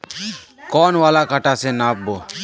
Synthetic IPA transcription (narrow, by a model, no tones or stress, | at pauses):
kɔːnʋaːlakaʈasenaːp̚boː